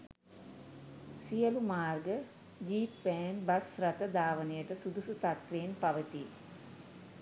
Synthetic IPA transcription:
sijəlumaːrɡə | ɡiːpːɛːnbɐsrət̪əd̪aːʋənejəʈəsud̪usut̪at̪ʋeːnpaʋət̪i

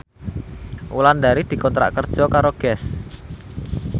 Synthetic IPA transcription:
ʔṵland̪aɾid̪̥i̤kɔnt̪ɾa̰ʔkərd̥ʒ̥ɔ̤kaɾoɡ̥ɛs

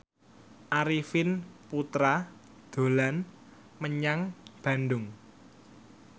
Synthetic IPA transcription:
ʔaɾifɪnput̪ɾa | d̪̥o̤lan | məɲaŋb̥ä̤nɖʊŋ

